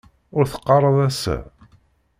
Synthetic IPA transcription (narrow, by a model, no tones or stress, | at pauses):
ʊɾθə̥qːɑrˤɑðˤæsæ̰